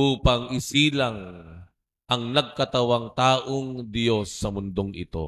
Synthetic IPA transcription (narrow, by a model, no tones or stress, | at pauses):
ʔuːpɐŋʔɪsiːlɐŋ | ʔɐŋnɐɡ̚kɐt̪ɐwaŋt̪aːʔoŋd̪ɪjo̞sːɐmʊnd̪oŋʔɪ̰t̪o̞̰